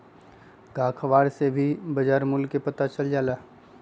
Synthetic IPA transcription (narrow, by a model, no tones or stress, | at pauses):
ɡaːkʰʋaːɾsebʱibɐd͡ʒaːɾmʊlkːepɐt̪at͡ʃɐld͡ʒaːlaː